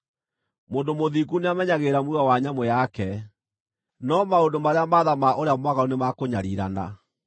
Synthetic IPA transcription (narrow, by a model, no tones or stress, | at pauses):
moːndomoðikuneamɛɲaɣeɾamwuɣawaɲamwɛjakɛ | nɔmaondomaɾeamaːðamaʔoɾeamwaɣaunemakoɲaɾiɾa̰na̰